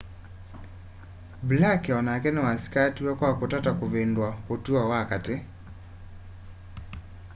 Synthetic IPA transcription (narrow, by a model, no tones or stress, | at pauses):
blakɛɔnakɛnɛwasi̥katiwakwakotatakoβendwaotuawakate